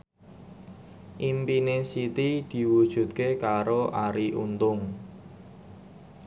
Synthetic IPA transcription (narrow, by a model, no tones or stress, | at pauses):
ʔimpinesit̪id̪̥i̤wud̥ʒ̥ṳt̪̚kekaɾoʔaɾiʔṵnt̪ʊŋ